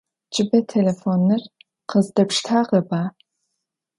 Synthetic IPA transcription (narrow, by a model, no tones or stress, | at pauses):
t͡ʃʼɪbɐtʰelefoːnːɨr | qəzdɐpʂtʰaːʁɐbaː